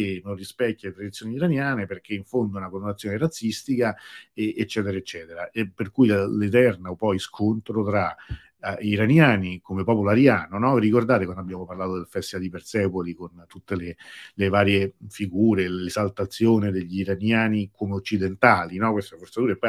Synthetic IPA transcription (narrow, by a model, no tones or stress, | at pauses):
enonrːispɛkːjalet̪ɾad̪it̪sːjoːniiɾanjaːneperk̟eiɱfond̪ounakolonat̪sːjoːneɾat̪sːist̪ikaeːt͡ʃːɛːt̪eɾaet͡ʃːɛːt̪eɾaʔepːerkujllet̪̬ɛrnaopɔjskʰont̪ɾot̪ɾa | iɾanjaːnikomepɔːpoloaɾjaːnonɔvirikord̪aːt̪ekwand̪abːjaːmoparlaːt̪od̪elfɛst̪ivad̪ipert̪sɛpolikont̪ut̪ːelelevaːɾjefiɡuːɾelezalt̪at̪sːjoːned̪eʎːiːɾanjaːnikomeot͡ʃːid̪ent̪aːlinɔkwest̪efort̪sat̪uːɾepːɔ